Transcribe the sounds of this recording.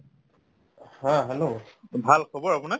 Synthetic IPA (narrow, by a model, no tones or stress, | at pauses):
hãɦɛlobʱalkʰobɔɹapunak